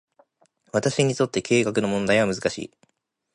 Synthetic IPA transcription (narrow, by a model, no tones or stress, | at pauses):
βat̪aɕiɲ̟it̪o̞t̪ːe̞ke̞ːkakɯ̟nomõ̞nd̪aiβamɯ̟zɨkaɕḭː